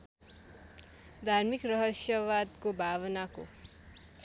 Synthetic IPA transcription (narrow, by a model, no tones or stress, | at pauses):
d̪ʱarmikrʌɦʌsjʌwad̪kobʱaβʌnako̰